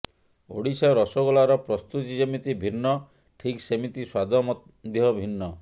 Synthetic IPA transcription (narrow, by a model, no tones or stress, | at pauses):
o̰ɽisaɾɔsoɡɔlaɾɔpɾɔst̪uisemit̪ibʱinːɔ | ʈʰiksemit̪iswad̪ʱɔmɔ | d̪ʱjɔbʱinːɔ